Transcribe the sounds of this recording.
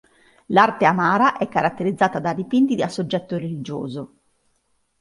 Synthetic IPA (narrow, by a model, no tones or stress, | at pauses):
lart̪eamaːɾaʔɛkːaɾat̪ːeɾid̪zːaːt̪ad̪ad̪ipint̪id̪asod͡ʒːɛt̪ːoɾelid͡ʒo̰ːzo